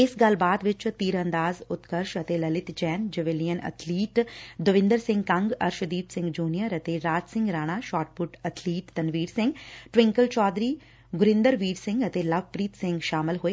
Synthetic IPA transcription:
ɪsɡɐlbaːd̪ʋɪt͡ʃt̪iːɾə̃nd̪aːzʊt̪kəɾʃət̪eləlɪt̪d͡ʒɛːnd͡ʒəʋɪlijənə̰t̪ʰliːʈd̪ʊʋɪ̃nd̪əɾsɪ̃ŋɡkɐ̃ŋɡə̰ɾʃəd̪iːpsɪ̃ŋɡd͡ʒuːnijəɾət̪eɾaːd͡ʒsɪ̃ŋɡɾaːɽ̃aːʃaːʈ̚pʊʈət̪ʰliːʈt̪ənʋiːɾsɪ̃ŋɡʈʋɪ̃ŋkəlt͡ʃɔːd̪ɾiː | ɡʊɾɪ̃nd̪əɾʋiːɾsɪ̃ŋɡət̪eləbpɾiːt̪sɪ̃ŋɡʃaːmɪlɦoeː

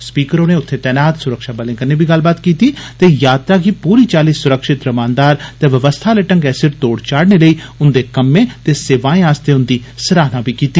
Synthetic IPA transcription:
spiːkəɾõːneːʊt̪ʰːeːt̪ɛːnaːt̪sʊɾəkʃaːbəlɪ̃ːŋkəneːbʱiːɡəlbaːt̪kiːt̪iːt̪eːjaːt̪ɾaːkipuːɾiːt͡ʃaːliːsʊɾəkʃɪt̪ɾəmãːnd̪aːɾt̪eːʋəʋəst̪ʰaːləʈəŋɡɛːsɪɾt̪oːɽt͡ʃaːɽneːləiːʊnd̪eːkəmːẽːt̪eːseːʋaːẽːaːst̪eːʊnd̪iːsəɾaːɦnãːbʱiːkiːt̪iː

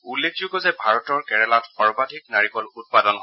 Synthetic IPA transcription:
ulːek̚ʰd͡ʒuɡɔzɛbʱaɹɔtɔɹkɛɹɛlatxɔɹbadʱik̚naɹikɔlut̚padɔnɦɔ

